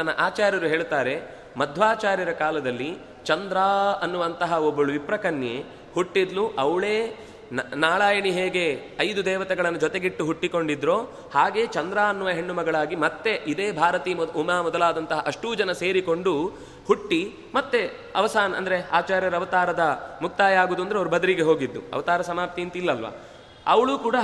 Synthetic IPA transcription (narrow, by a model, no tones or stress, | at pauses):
t̪ɐnːɐʔaːt͡ʃaːɾjɐɾuɦe̞ːɭt̪aːɾe̞ | mɐd̪ʱʋaːt͡ʃaːɾjɐɾɐkaːlɐd̪ɐlːi | t͡ʃɐnd̪ɾaːɐnːuʋɐnt̪ɐɦɐobːɐɭuʋipɾɐkɐnje | huʈːid̪luʔɐʋɭe̞ː | nnaːɭaːjɐɳiɦeːɡe̞ɐjd̪ud̪ɛːʋɐt̪ɛɡɐɭɐnːud͡ʒɔt̪eɡiʈːuɦuʈːiko̞ɳɖid̪ɾoː | haːɡe̞ːt͡ʃɐnd̪ɾaːnːʋɐɦe̞ɳːumɐɡɐɭaːɡimɐt̪ːe̞ʔid̪eːbʱaːɾɐt̪iːumaːmɔd̪ɐlaːd̪ɐnt̪ɐɦɐʔɐʂʈuːd͡ʒɐnɐse̞ːɾiko̞ɳɖu | huʈːi | mɐt̪ːe̞ | ɐ̰ʋɐsaːnɐɐ̰nd̪ɐɾeaːt͡ʃaːɾjɐɾɐʋɐt̪aːɾɐd̪ɐmuk̚t̪aːjaːɡuːd̪uɐnd̪ɾeɐʋɐɾubʱɐd̪ɐɾiɡe̞ɦo̞ːɡid̪ːṵɐ̰ʋɐt̪aːɾɐsɐmaːp̚t̪iint̪ilːɐlʋɐ̰ | ɐʋɐɭuːkuːɽa